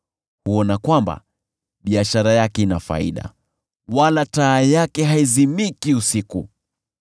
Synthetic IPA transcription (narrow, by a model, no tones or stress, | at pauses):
huɔnakwamba̰ | ɓiaʃaɾajakɛinafa̰ḭɗa̰ | walataːjakɛɦaizimikiusiku